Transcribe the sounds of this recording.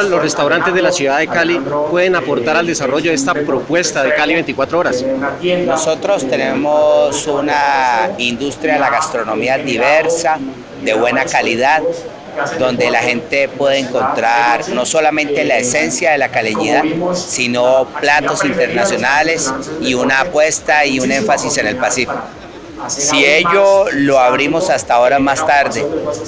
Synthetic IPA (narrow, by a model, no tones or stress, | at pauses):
losrest̪awɾant̪ezd̪elasjuðaðekalipwe̞ðenapo̞ɾt̪aɾald̪e̞saro̞ʝoest̪apɾo̞pwe̞st̪aðekaliβent̪ikwat̪ɾooɾasno̞so̞t̪ɾo̞st̪e̞ne̞mosunaind̪ust̪ɾjalaɣast̪ɾo̞no̞miaðiβe̞ɾsa | d̪e̞βwe̞nakaliðað | d̪o̞nd̪e̞laxe̞nt̪e̞pwe̞ðeeŋko̞nt̪ɾaɾno̞so̞lamẽ̞nt̪e̞lae̞se̞nsjaðe̞lakaleɲiðaðsino̞plat̪o̞sint̪e̞ɾnasjo̞nale̞siunaːpwe̞st̪aiune̞ɱfasise̞ne̞lpasifi̥ko | sie̞ʝo̞lo̞aβɾimo̞sast̪ao̞ɾamast̪aɾd̪e